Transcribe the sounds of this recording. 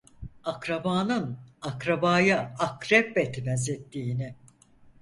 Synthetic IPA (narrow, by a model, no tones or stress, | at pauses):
akɾabaːnɯnakɾabaːjaakɾɛpbɛt̪ʰmɛzet̪ːiːnɪ